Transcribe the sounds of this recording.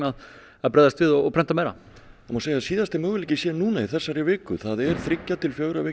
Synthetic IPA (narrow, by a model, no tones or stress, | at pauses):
að | aðpɾɛːðast̪vɪðɔɣɔpʰɾɛn̥t̪amɛːjɾa̰ | maseːjaðsiːðast̪ɪmœːɣʏlɪcːɪsjɛnuːnaiθɛsːaɾɪvɪːkʏθaðɛɾ̥θɾɪcːat̪ɪlfjœːɣɾavɪː